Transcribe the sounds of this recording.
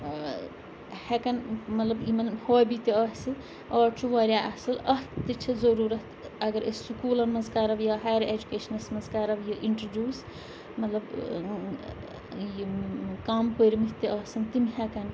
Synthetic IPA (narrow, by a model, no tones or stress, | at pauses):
hɛkɐnmɐt̪lɐbimɐnhoːbit̪iɐsɨ | ɔːɾt͡ʃʰuʋaːɾʲjaːʔɐsɐlɐht̪ɨt͡ʃʰizɐɾuːɾɐt̪ɐɡɐɾessukuːlɐnmɐnzkaːɾɐʋjɐɦaːjɐɾed͡ʒukeːʃɐnɐsmɐnzkaːɾɐʋjɐʔiɳʈɾd͡ʒjuːs | mɐt̪lɐb | jkaːmpəɾimit̪iʔɐsɐnt̪imɦɛkɐn